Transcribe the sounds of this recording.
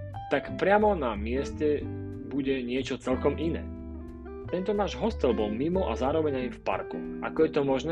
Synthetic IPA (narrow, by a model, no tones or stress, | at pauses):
t̪akpɾɪamɔnamɪɛscɛ | buɟɛɲɪɛt͡ʃɔt͡sɛlkɔmʔinɛ̰ː | t̪ɛnt̪ɔnaːʒɦɔst̪ɛlbɔlmimɔʔazaːɾɔʋɛɲajifpa̰ɾkṵʔa̰kɔjɛt̪ɔmɔʒnɛː